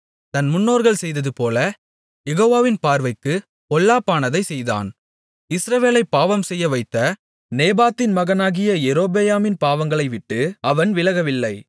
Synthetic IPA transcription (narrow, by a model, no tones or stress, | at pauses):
t̪ɐnmʊnːoːɾɣɐɭsɛjðɐðɯpoːlɐ | jɛɣoːʋaːʋɪnpaːɾʋɐɪkːɯ | pɔlːaːpːaːnɐðɐɪsɛjða̰ːn | ɪsɾɐʋeːlɐɪpːaːʋɐmsɛjːɐʋɐɪt̪ːɐ | neːbaːt̪ːɪnmɐɣɐnaːɣɪjɐɛɾoːbejaːmɪnpaːʋɐŋɡɐɭɐɪʋɪʈːɯɐʋɐnʋɪlɐɣɐʋɪlːɐɪ